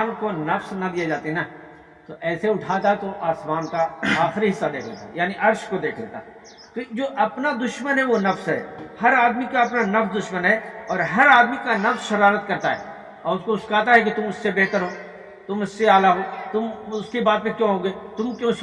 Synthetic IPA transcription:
nkonɐfsnɐd̪ijed͡ʒaːt̪eɦɛnaː | t̪oʔɛːseʊʈʰaːt̪at̪oʔaːsmaːnkaaːxɪɾiɦɪsːad̪eːkʰd̪ḛːt̪a̰jaːniʔɐɾʃkod̪eːkʰd̪ḛːt̪a̰ɦ | t̪od͡ʒoːʔɐpnad̪ʊʃmənɦɛʋonɐfsɦɛ̰ːhɐɾaːd̪mikaɐpnanɐfsd̪ʊʃmənɦɛɔːɾɦɐɾaːd̪mikanɐfsʃɐɾaːɾət̪kɐɾt̪aɦɛ̰ː | ɔːɾʊskoʊskaːt̪aɦɛk̬it̪ʊmʊsːebeːt̪əɾɦoː | t̪ʊmʊsːeaːlaɦoːt̪ʊmʊskebaːd̪̚pẽkjõːɦõːɡeːt̪ʊmkjõs

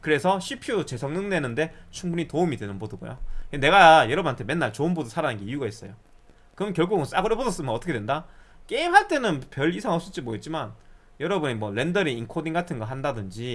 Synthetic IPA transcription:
kɯɾe̞sʰʌɕʰipʰjut͡ɕe̞sʰʌŋnɯŋnenɯnde̞t͡ɕʰuŋbuɲitoumidwe̞nɯnbodʌɡo̰jo̰ene̞ɡajʌɾʌbɯnɦantʰmenːaɭt͡ɕoɯnbodosʰaɾanɯnɡe̞iuɡais͈ʌ̰jo | kɯmɯnkjʌɭɡuɡɯns͈aɡɯɾʌbodʌs͈ɯmʌnʌt͈ʰʌkʰewendak͈e̞imɦhaɭt͈e̞nɯnpjʌɭisʰaŋʌps͈ʰut͡ɕ͈imoɡet̚t͡ɕ͈iman | jʌɾʌbuɲimwʌɭe̞ndʌɾiinkʰodiŋɡatʰɯnɡʌɦandadɯnd͡ʑi

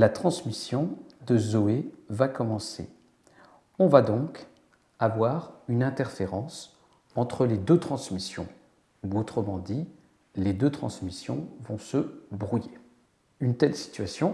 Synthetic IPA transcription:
lat̪χɑ̃smisjɔ̃d̪əzoevakɔmɑ̃sḛ | ɔ̃vad̪ɔ̃k | avwaʁynɛ̃t̪ɛʁfeʁɑ̃s | ɑ̃t̪χəled̪øt̪χɑ̃smisjɔ̰̃ | uot̪χəmɑ̃d̪i | led̪øt̪χɑ̰̃smisjɔ̰̃vɔ̃səbʁuje | ynt̪ɛlsi̥t̪ɥasjɔ̃

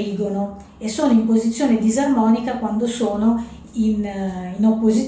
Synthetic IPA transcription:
iːɡono | esːoːnoimpozit̪sːjoːned̪izarmɔːnikakwand̪osoːno | ininopːozi

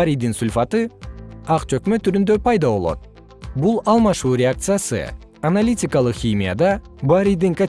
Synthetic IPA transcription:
aɾijd̪insʊlʲfat̪ɯɑqt͡ʃø̞kmø̞t̪ʰːyɾynd̪ø̞pʰɑjd̪ɑβo̞lˠo̞̰t̪̚ | bulˠɑlˠmɑʃuːɾʲeak̚t̪sɨjasɯ̰ | ɐnalʲitʲikalˠɯqxʲimʲija̰d̪ɑbaɾʲijd̪iŋka

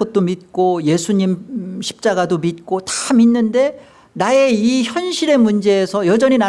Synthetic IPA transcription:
ʌt̚t͈omit̚k͈oje̞sʰuɲimɕʰi̥p̚t͡ɕ͈aɡadomit̚k͈otḁminːɯnde̞ | nae̞içjʌnɕʰiɾe̞mund͡ʑe̞ːsʰʌjʌd͡ʑʌɲina

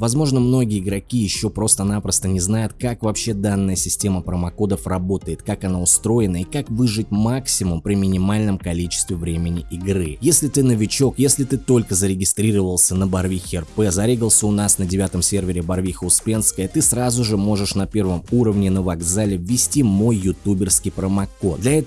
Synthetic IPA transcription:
vɐzmo̞ʐnəmno̞ɡʲɪəɪɡɾɐkʲijɪɕːo̞pɾo̞st̪ənapɾəst̪ənʲɪznajʊt̪kakvɐpɕːe̞d̪anːəjəsʲɪsʲtʲe̞məpɾəmɐko̞d̪əfrɐbo̞t̪əjɪt̪kakɐnaʊst̪ɾo̞jɪnəɪkakvɨʐɨtʲmaksʲɪmʊmpɾʲɪmʲɪnʲɪmalʲnəmkɐlʲit͡ɕɪ̥st̪vʲɪvɾʲemʲɪnʲɪʔɪɡrɨjesʲlʲɪt̪ɨnəvʲɪt͡ɕo̞kjesʲlʲɪt̪ɨt̪o̞lʲkəzəɾʲɪɡʲɪst̪ɾʲiɾəvəlˠsʲənəbɐrvʲixʲɛrpɛzɐɾʲeɡəlˠsʲəʊnasnədʲɪvʲat̪əmsʲe̞rvʲɪɾʲɪbɐrvʲixəʊspʲenskəjət̪ɨsrazʊʐɨmo̞ʐɨʂnɐpʲe̞rvəmuɾəvnʲɪnəvɐɡzalʲɪvʲːɪsʲtʲimo̞jːʊt̪ubʲɪrskʲijpɾəmɐko̞t̪d̪lʲɐɛt̪

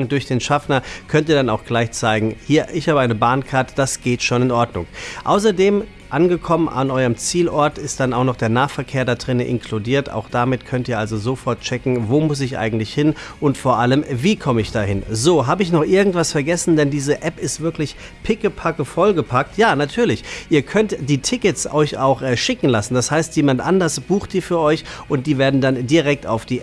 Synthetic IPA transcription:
dʊɐçd̥eːnʃafnɐkʰœntiːɐdanaʊxɡ̥laɪçt͡saɪɡŋ̩hiːɐʔɪçhaːbəaɪnəbaːnkʰaɐtə̥d̥asɡ̥eːtʃoːnɪnʔɔɐdnʊ̰ŋʔa̰ʊs̬ɐdeːm | ʔanɡəkʰɔmənʔa̰nʔɔʏəmt͡siːlʔɔɐtɪstd̥anaʊxnɔχd̥eːɐnaːfɛɐkʰeːɐdadʁɪnəʔɪ̰nkʰludiːɐta̰ʊxd̥amɪtkʰœntiːɐʔalzozofɔɐt̚t͡ʃɛkŋ̩voːmʊs̬ɪçʔa̰ɪɡŋ̩tlɪçhɪnʔʊntfoːɐʔaləmviːkʰɔməɪçd̥aːhɪnzoːɦaːbəɪçnɔχʔɪɐɡŋ̩tv̥asfɛɐɡɛsn̩dɛndiːzəʔɛpɪstv̥ɪɐklɪç | pʰɪkəpʰakəfɔlɡəpʰak̚tʰjaːnatʰyːɐlɪçʔiːɐkʰœntd̥iːtʰɪkəsɔʏça̰ʊxʔɛʃɪkŋ̩lasn̩d̥ashaɪstjeːmantʔa̰ndɐsb̥uːxt̚d̥iːfyːɐʔɔʏçʔʊnt̚d̥iːveːɐdn̩dandiʁɛk̚ta̰ʊfd̥iː

